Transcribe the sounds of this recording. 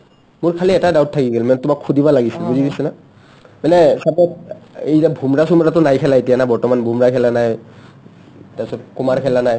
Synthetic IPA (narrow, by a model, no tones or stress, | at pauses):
mʊɹkʰaliɛtadawttʰːakiɡɛlmanɛtʊmakʰːudibalaɡisilbuzidisɛna | manɛsapɔejzabʱumɹasumɹatʊnajkʰɛlaetijanajbɔɹtɔmanbʱumɹakʰɛlanaj | tasɔt̚kumaɹkʰɛlanaj